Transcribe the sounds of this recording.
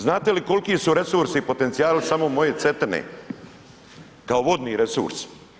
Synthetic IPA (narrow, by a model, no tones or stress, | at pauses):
znaːt̪e̞liko̞lkisuɾe̞suɾsipo̞t̪e̞nt̪ijaːlisamomo̞je̞t̪se̞t̪enḛ | kaoʋo̞d̪niɾe̞sṵɾs